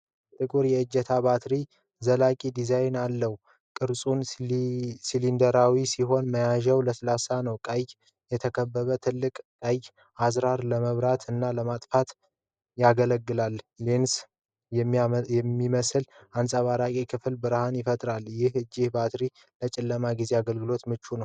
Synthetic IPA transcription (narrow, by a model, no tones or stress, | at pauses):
t̪ʼɨkʼuɾjɛɨd͡ʒːɛt̪ʰabat̪ɾi | zəlakʼid̪izajnalːəh | kʼɨɾsʼun | silind̪əɾawisiɦo̞nməjaʒɛwləsəlasanəwkʼajj | jɛt̪ʰəkʰəbːəβət̪ʰɨlːɨkʼkʼəjj | azɾaɾləməβɾat̪ʰɨnːaləmat̪ʼfat̪ | jaɡələɡːɨlalːens | ɛjɛmːiməsɨlansʼaβaɾakʼikʰɨflbɨɾhanjɪfət̪ʼɾaljɪhɨd͡ʒːɪhbat̪ɾi | lət͡ʃʼɪlːəmaɡize̞aɡəlɡɨlo̞t̪mɨt͡ʃːunəww